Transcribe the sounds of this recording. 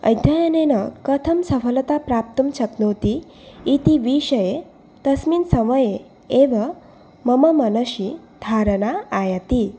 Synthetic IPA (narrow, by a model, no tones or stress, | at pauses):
ə̰jd̪ʱjajənenəkət̪ʰəmsəfəlt̪apɾap̚t̪umt͡ɕʰəknəwt̪iː | t̪iʋiɕəje | t̪əsmiːnsəməje | eʋa | məməmənəɕi | d̪ʱaɾənaːjat̪i